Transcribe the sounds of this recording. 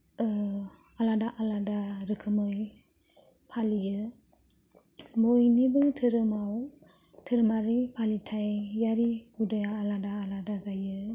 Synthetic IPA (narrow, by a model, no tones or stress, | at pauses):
aladaʔaladaɾɯkʰɯmɯj | pʰalijɯ | mojnibɯtʰɯɾɯmaw | tʰɯɾɯmaɾipʰalitʰajjaɾiudɯjaːladaːladazajɯ